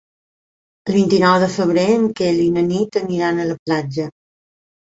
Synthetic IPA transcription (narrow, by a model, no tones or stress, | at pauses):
əlˠβint̪inɔwðəfəβ̞ɾeəŋkelinənit̪əniɾanələplad͡ʒə